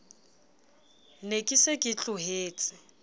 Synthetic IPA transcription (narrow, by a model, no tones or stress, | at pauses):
nekʼɪsekʼɪt͡ɬʼʊɦeːt͡sʼɪ